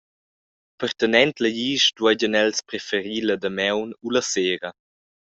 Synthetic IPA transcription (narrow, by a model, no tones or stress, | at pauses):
pəɾtənɛntləjiːʃdwaɟənɛlspɾefəɾiːlədəmɛwnulɐseːɾɐ